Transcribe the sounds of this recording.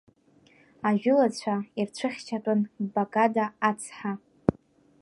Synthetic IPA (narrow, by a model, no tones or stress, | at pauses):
aʒᶣʊlat͡ɕʷʰairt͡ɕʷʰɨχʲt͡ʃʰatʼanbakʼadaːt͡sʰħa